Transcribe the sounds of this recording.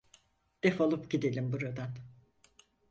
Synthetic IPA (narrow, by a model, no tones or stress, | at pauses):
d̪̥ɛfolˠupɟid̪elʲimbuɾad̪an